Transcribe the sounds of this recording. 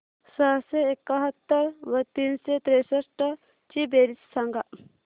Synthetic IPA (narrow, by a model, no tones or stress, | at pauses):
səseekːəɦət̪ːəɾʋɐt̪iːnset̪ɾesəsʈə | t͡ʃibeɾissaŋɡaʔ